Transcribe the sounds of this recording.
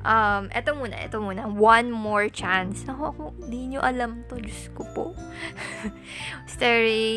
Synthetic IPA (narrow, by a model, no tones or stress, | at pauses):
ʔɐmʔɛt̪omuːnɐ̰ʔɛ̰t̪omuːnɐwɐnmoɹt͡ʃansnɐɦoʔɐkond̪iɲoʔɐlɐmt̪od͡ʒʊskopo̰ʔ | st̪ɛɹɪ